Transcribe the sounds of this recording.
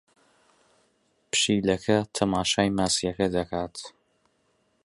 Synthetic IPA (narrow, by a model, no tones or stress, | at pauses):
pʰɨ̥ʃiːlɐkʰɐt̪ʰɐmaːʃaːjmaːsijɐkɐd̪ɐkʰaːt̪